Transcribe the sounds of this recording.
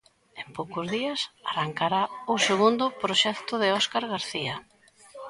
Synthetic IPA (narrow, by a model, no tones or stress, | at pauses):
empowkʊzðiɐsaraŋkaɾaʊseɣund̪ʊpɾoʃɛkt̪ʊðɪɔskaɾɣaɾθiɐ